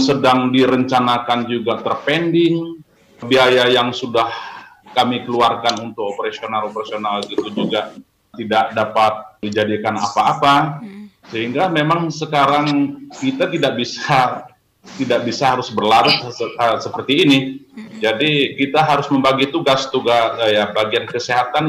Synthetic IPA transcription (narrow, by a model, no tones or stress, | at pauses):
sədaŋdiɾəɲt͡ʃanakand͡ʒuɡat̪ərpendɪŋ | biɦajajaŋsudahkamikəluarkanunt̪ʊkopəɾasionalopəɾasionalɡit̪ud͡ʒuɡa | t̪idaʔdapat̪̚did͡ʒadikana̰paːpasəɦiŋɡamemaŋsəkaɾaŋkit̪at̪idaʔ̚bisa | t̪idak̚bisaɦaɾʊsbərlaɾʊt̪səpərt̪iːnid͡ʒadikit̪aɦaɾʊsməmbaɡit̪uɡast̪uɡasjabaɡiankəseɦat̪an